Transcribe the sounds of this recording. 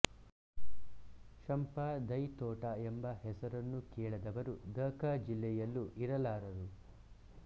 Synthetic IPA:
ʃɐmpaːd̪ɐjt̪ɔːʈɐembɐhɛsɐɾɐnːukɛːɭɐd̪ɐʋɐɾud̪ɐːkad͡ʒilːɛjɐlːuʔiɾɐlaːɾɐɾu

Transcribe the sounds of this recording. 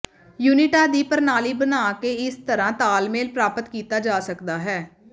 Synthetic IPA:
juːnɪʈaːd̪iːpəɾnaːliːbənaːkeːɪst̪əɾãːt̪aːlmeːlpɾaːpət̪kiːt̪aːd͡ʒaːsəkd̪aːɦɛː

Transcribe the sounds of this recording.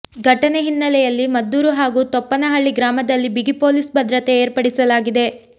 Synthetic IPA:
ɡʱɐʈɐneɦinːɐlɛjɐlːimɐd̪ːuːɾuɦaːɡuːt̪ɔpːɐnɐɦɐɭːiɡɾaːmɐd̪ɐlːibiɡipo̞ːlisbɐd̪ɾɐt̪eeːɾpɐɽisɐlaːɡid̪e̞

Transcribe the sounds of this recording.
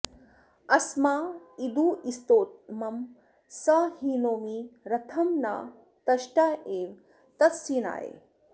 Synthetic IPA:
ɐsmaːid̪uːist̪oːt̪̚mɐm | sɐhiːnoːmiɾɐt̪ʰɐmna̰ː | t̪ɐʃʈaːeːʋ | t̪ɐt̪siːna̰ːjḛː

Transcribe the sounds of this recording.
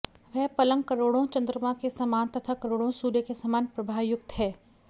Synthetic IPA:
ʋɛɦpɐlə̃ŋɡkɐɾoːɽõt͡ʃɐ̃nd̪ɾəmakesɐmaːnt̪ɐt̪ʰakɐɾoːɽõsuːɾekesamaːnpɾɐbʱaːʋjʊk̚t̪ɦɛː

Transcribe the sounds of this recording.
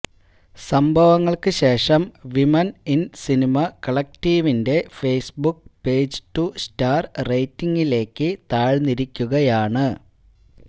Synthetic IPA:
sɐmbʱɐʋɐŋːɐɭkɨɕe̞ːʂɐmʋimɐninsinimɐkɐɭɐk̚tiːʋinde̞feːsbukpe̞ːd͡ʑɨtustaːrrejtːiŋɡile̞ːkːɨt̪aːɻniɾikʲːuɣɐjaːɳɨ

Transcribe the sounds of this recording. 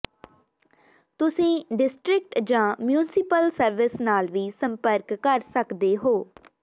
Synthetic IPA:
t̪ʊsĩːɖɪsʈɾɪk̚ʈd͡ʒãːmjuːnɪsɪpəlsəɾʋɪsnaːlʋiːsəmpəɾkːəɾsəkd̪eːɦoː

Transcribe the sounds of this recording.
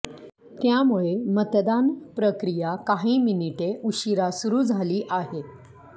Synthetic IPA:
t̪jamuɭemət̪d̪anpɾəkɾijakaɦiːminiʈeʔuɕiɾasuɾuːd͡zʱaliːʔaɦe

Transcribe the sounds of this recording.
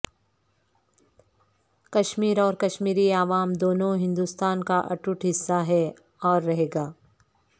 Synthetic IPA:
kɐʃmiːɾɔːɾkɐʃmiːɾiaːʋaːmd̪oːnõɦɪ̃nd̪uːst̪aːnkaʔɐ̰ʈʊʈɦɪsːaɦɛ | ɔːɾːɐɦeːɡaː

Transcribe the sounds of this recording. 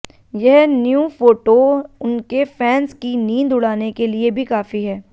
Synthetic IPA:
jɛɦnjũːfoːʈoʊnkefɛːnskiniːnd̪ʊɽaːnekeliebʱikaːfiɦɛː

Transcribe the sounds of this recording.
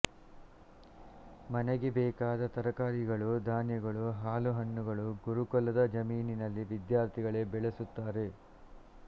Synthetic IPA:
mɐneɡebɛːkaːd̪ɐt̪ɐɾɐkaːɾiɡɐɭud̪aːnjɐɡɐɭuɦaːluɦɐnːuɡɐɭuɡuɾukɔlːɐd̪ɐd͡ʒɐmiːninɐlːiʋid̪jaːɾt̪ʰiɡɐɭe̞bɛɭesut̪ːaːɾe̞

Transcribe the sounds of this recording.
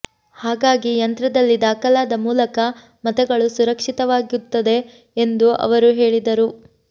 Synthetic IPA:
haːɡaːɡijɐnt̪ɾɐd̪ɐlːid̪aːkɐlaːd̪ɐmuːlɐkɐ | mɐt̪ɛɡɐɭusuɾɐkʂit̪ɐʋaːɡut̪ːɐd̪e̞ː | nd̪uʔɐ̰ʋɐɾuɦe̞ːɭid̪ɐɾu

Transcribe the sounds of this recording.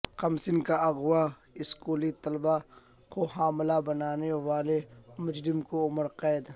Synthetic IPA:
qɐmsɪnkaɐɣwa | ɪskuːlit̪ɐlba | koɦaːmlabɐnaːneʋaːlemʊd͡ʒɾɪmkoʊməɾqɛːd̪

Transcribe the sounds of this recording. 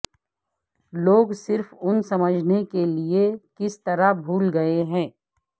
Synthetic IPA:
loːɡsɪɾfʊnsɐməd͡ʒʱnekeliekɪst̪ɐɾabʱuːlɡɐeɦɛ̃ː

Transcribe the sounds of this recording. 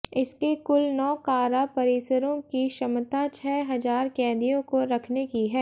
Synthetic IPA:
ɪskekʊlnɔːkaːɾapɐɾɪːsəɾõkiʃɐmt̪at͡ʃʰɛːɦɐzaːɾkɛ̃ːd̪ijõkoɾɐkʰnekiɦɛː

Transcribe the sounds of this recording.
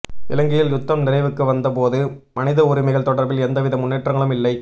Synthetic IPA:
ɪ̰lɐŋɡɪjɪljʊt̪ːɐmnɪrɐɪʋɯkːɯʋɐnd̪ɐpoːðɯ | mɐnɪðɐʊɾɪmɐɪɣɐɭt̪ɔɽɐɾbɪlɛnd̪ɐʋɪðɐmʊnːeːʈrɐŋɡɐɭɯmɪlːɐɪ

